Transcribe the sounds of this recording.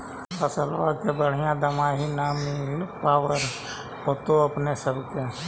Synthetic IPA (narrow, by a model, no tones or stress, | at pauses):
əsəla̰ːkebəɽ̤ɪjãd̪əmaːɦinaːmipaːwəɾ | ɦot̪oɐpnesəbʱke